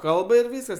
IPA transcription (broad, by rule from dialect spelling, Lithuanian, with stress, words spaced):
ˈkɐlˠbɐ ɪr ˈʋʲiːskɐs